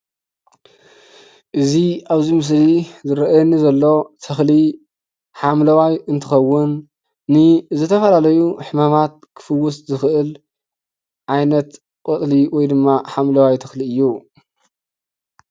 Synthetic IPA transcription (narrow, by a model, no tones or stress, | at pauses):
ʔɨziaβzimɨs̬lizɨɾɐʔjɛnːizɐlːo̞t̪ʰɐxli | ħamlɐwajɨnt̪ʰɨxɐwʊnː | ɨzɨt̪ʰɐfɐlalɐjuħɨmamat̪̚kʰɨ̥fɨwːʊszɨxʔɨl | ʕajnɐt̪ | kʼot̪ʼliwɔjd̪ɨmːaħamlɐwajt̪ʰɐxliɨjːu